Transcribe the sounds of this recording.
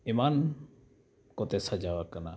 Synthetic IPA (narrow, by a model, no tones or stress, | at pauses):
iman | kɔt̪ɛsad͡ʒawakana